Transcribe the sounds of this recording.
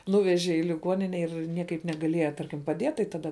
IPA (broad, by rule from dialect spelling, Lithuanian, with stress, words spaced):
ˈnuːʋʲɛʒʲɛ ɪ lʲɪˈɡuɔnʲɪnʲɛ ɪr ˈnʲiɛkɐɪp nʲɛɡɐˈlʲiɛjɛ ˈtɐrʲkʲɪm pɐˈdʲiɛt tɐɪ ˈtɑːdɐ